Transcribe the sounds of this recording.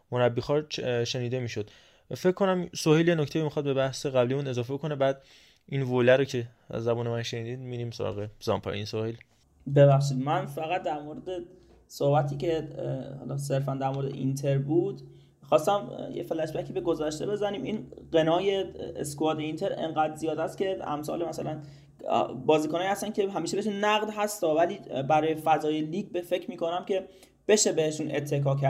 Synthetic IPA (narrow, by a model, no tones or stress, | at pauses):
moɾæbːiːxɒːɾʃe̞niːd̪e̞miːʃod̪̥ | fe̞cʰkʰːo̞næmsohiljenocʰt̪eimixɒːd̪̚bebæhse̞ɣæblimuːne̞zɒːfekʰo̞nebæːd̪ | involæɾocʰe̞ | æ̰zːæbuːnemænʃeniːd̪iːd̪miːɾiːmsoɾɒ̰ːɣezɒ̰mpʰɒ̰insohil | bebæχʃ̬id̪mænfæɣæt̪̚d̪æɾmoɾed̪e | sohbæt̪ʰiːcehɒ̰lɒse̞ɾfænd̪æɾmo̞ɾed̪ḛʔḭnt̪ʰe̞ɾbuːd̪ | xɒːst̪æmjḛfelæt͡ʃbæcʰiːbe̞ɡo̞zæʃt̪ebe̞zæniːminɢenɒːje̞ḛskoɑːɾd̪eint̪ʰe̞ɾḛŋɢæːd̪zijɒːd̪æst̪̚cʰe̞æ̰msɒ̰ːlemæsælæn̰ | bɒːziːkonɒːjihæst̪ænkcʰeɦæmiːʃebeeʃ̬unæɣd̪ɦæst̪ɒːvæliːbæɾɒːjefæzɒːjeliːɡbefe̞cʰɾmiːkʰo̞næmcʲʰe̞ | b̥e̞ʃe̞be̞heʃunʔet̪ʰːe̞kʰɒːkʰæɾ